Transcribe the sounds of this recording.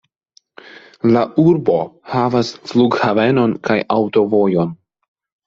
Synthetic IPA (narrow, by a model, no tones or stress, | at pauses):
laʔuɾbo̞havasfluɡhave̞no̞nkajʔawto̞vo̞jo̞n